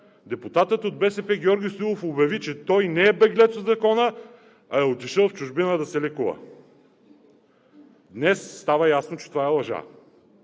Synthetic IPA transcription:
d̪ɛput̪at̪ət̪od̪̚bɛsɛpɛɡʲjɔɾɡʲisulˠofobjɐvit͡ʃɛt̪ɔjnɛːbɛɡlɛt̪zzɐkɔnə | ɐɛot̪iʃəlˠft͡ʃʊʒbinəd̪ɐsɛlɛkuvə̰ | d̪nɛsːt̪avəjasnot͡ʃɛ̥t̪ovaɛlˠɐʒa̰

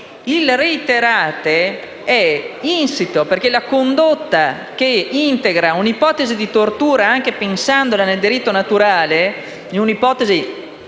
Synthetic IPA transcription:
ilreit̪eɾaːt̪e | ɛinsit̪operk̟elakond̪ot̪ːa | k̟eint̪eɡɾaunipɔːt̪ezid̪it̪ort̪uːɾaaŋk̟epensand̪olaneld̪iɾit̪ːonat̪uɾaːle | niunipɔːt̪ezi

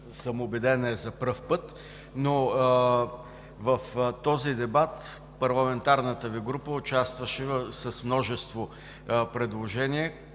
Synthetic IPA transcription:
səmʊbɛd̪ɛnɛzɐpɾɤfpɤt̪ | no | vɐft̪ɔzid̪ɛbat̪ | pɐɾlˠɐmɛnt̪aɾnət̪əviɡɾupəʊt͡ʃast̪vəʃɛsɐsmnɔʒɛst̪vo | pɾɛd̪lˠoʒɛniɛ

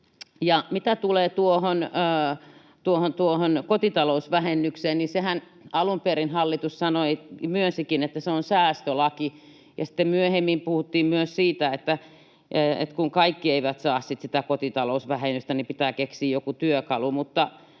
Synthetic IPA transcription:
jɑmit̪æt̪uleːt̪uohonəː | t̪uohont̪uohonkot̪it̪ɑlousʋæhenːykseːnnisehæn | ɑlumperinhɑlːit̪ussɑnoimyønsikinet̪ːæseonsæːst̪ølɑki | jɑsĭ̥t̪ːemmyøhemːimpuhut̪ːiːmmyøssiːt̪æet̪ːæ | ḛt̪kuŋkɑikːieiʋæt̪sɑːssit̪sit̪ækot̪it̪ɑlousʋæhenːyst̪ænipit̪æːkeksiːjjokut̪yøkɑlumut̪ːɑ

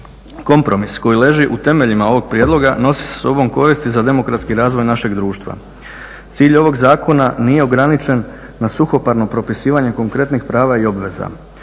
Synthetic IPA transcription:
ko̞mpɾo̞misko̞jile̞ʒiʔut̪e̞me̞ʎimao̞ʋo̞ɡ̚pɾijeːd̪lˠo̞ɡano̞si̥sḁso̞bo̞mko̞ɾist̪izad̪e̞mo̞kɾat̪skiɾaːzʋo̞jnaʃe̞ɡd̪ɾuːʃt̪ʋa̰ | t̪siːʎo̞ʋo̞ɡzaːko̞naniːje̞o̞ɡɾanit͡ʃe̞nː | asuxo̞paɾno̞pɾo̞pisiːʋaɲe̞ko̞ŋkɾe̞t̪nixpɾaːʋaio̞bʋe̞za̰

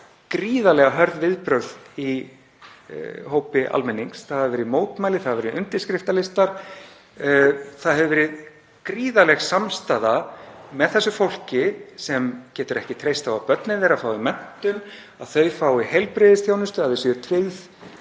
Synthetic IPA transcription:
kɾiːðalɛɣaɦœɾðvɪðpɾœɾði | hoːwpɪʔa̰lmɛnːiŋksθaðavɪːɾɪðmoːwt̪maːjlɪθaðavɛɾɪðʏnt̪ɪ̥skɾɪft̪alɪst̪aɾ̥ | θaðhɛvvɛɾɪð | kɾiːðalɛxsamst̪aːðamɛðθɛsːʏfowl̥cɪsɛmcɛːt̪ʏɾɛhcɪt̪ʰɾejst̪avapœt̪nɪnðɛːɾafaːwimɛn̥t̪ʏn | aðθœɥfaːwiɦɛjlpɾɪːðɪsθjoːwnʏst̪ʏaððɪsʏɾ̥t̪ʰvɪjð

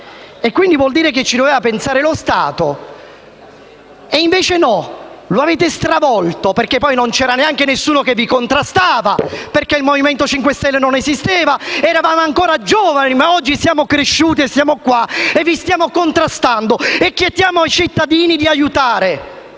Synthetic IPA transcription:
ekːwind̪ivwɔld̪iːɾek̬et͡ʃːid̪oveːvapensaːɾelost̪a̰ːt̪o | eiɱveːt͡ʃenɔloaveːt̪est̪ɾavɔlt̪operkepːɔjnont͡ʃɛːɾaneaŋkenesːuːnokevːikont̪ɾast̪aːvaperkeilmoviment̪ot͡ʃiŋkwest̪ɛlːenonezist̪eːvaɛɾavaːmoaŋkoːɾad͡ʒɔːvanimaɔd͡ʒːisjaːmokɾeʃːuːt̪iesːjaːmokwaevːist̪jaːmokont̪ɾast̪and̪oekːjet̪ːjaːmoajt͡ʃit̪ːad̪iːnid̪iajut̪aːɾe

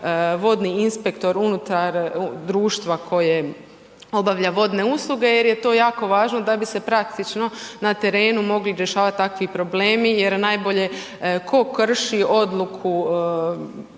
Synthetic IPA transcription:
ʋo̞d̪niinspekt̪o̞ɾunut̪aɾd̪ɾuːʃt̪ʋakʰo̞je | o̞baʋʎaʋo̞d̪ne̞uslˠuɡe̞je̞ɾje̞t̪o̞ːjaːko̞ʋaːʒno̞d̪abise̞pɾakt̪it͡ʃno̞nat̪e̞ɾe̞ːnumo̞ɡliɾʲjeʃaːʋat̪̚t̪ːakʋipɾo̞bleːmije̞ɾnajbo̞ʎe̞ | kʰo̞kr̩ʃio̞d̪lˠukʰu

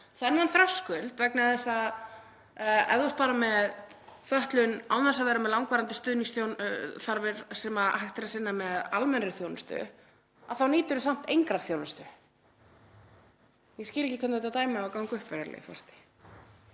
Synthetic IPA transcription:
θɛnːanθɾœskʏlt̪vɛknaθɛsːa | ɛ̰ððɔst̪paːɾamɛðθœht̪lʏnawnasavɛːɾamɛðlawŋkvaːɾant̪ʏ̥st̪ʏːniŋsθjownθaɾvɪɾ̥sɛmahajht̪ɪɾasɪnːamɛðalmɛnɾɪθjownɪst̪ʏ̰ | aðθawniːt̪ʏɾʏsam̥t̪ejŋkɾaɾ̥θjoːwnast̪ʏ | jɛscɪːlɪcɪkʰʏnt̪hɛt̪at̪aːjmɪakawŋkʏhpvɛɾaɾlɪ̰fɔ̰sɛ̥t̪ɪ̥

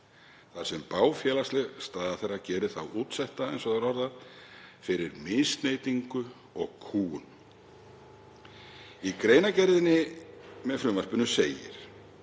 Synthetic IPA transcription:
θaɾ̥sɛmpaːwfjɛːlast̪lɛɣst̪aːðaθejrːacɛːɾɪθawuːt̪sɛht̪aḛjnsɔɣðaɾɔɾða | fɪɾɪɾmɪnst̪neːjt̪iŋkʏ | ɔɣkʰuːɣʏn | ikɾeːjnacɛɾðɪnːɪmɛðfɾʏːmaspʏnʏseːjɪ̰ɾ̥

